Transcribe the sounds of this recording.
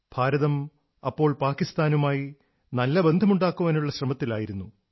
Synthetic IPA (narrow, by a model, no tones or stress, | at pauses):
b̥ʱaːɾɐðɐm | ɐpːo̞ːɭpaːkːist̪aːnumaːji | nɐlːɐbe̞nd̪ʱɐmuɳɖaːkːuʋɐnuɭːɐɕrɐmɐt̪ːilaːjiɾunːu